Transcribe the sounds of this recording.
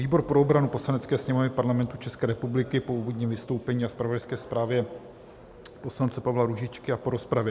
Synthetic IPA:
viːbo̞ɾpɾoobɾanupo̞slanɛt͡skɛːsɲɛmovnɪpaɾlamɛnt̪ut͡ʃɛskɛːɾɛpublɪkɪpouvodɲɛmvɪst̪owpɛɲiːaspɾavodajskɛːspɾaːvjɛ | po̞slant͡sɛpavlaɾuʒɪt͡ʃkɪapo̞ɾo̞spɾavjɛ

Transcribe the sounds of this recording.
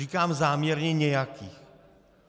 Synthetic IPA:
ikaːmzaːmɲɛɾɲɛɲɛjakʰiːx

